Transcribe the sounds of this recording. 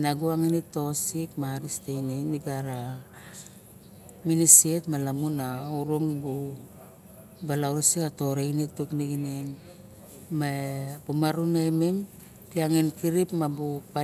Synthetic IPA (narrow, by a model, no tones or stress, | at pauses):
naɡuaŋinito̞sikmaɾistejneniɡaɾa | minisetmalamunaoɾuŋbu | balaɾsikato̞ɾejnitːukniɡinen | mapumaɾunejmem | tiaŋinkiɾipmabupa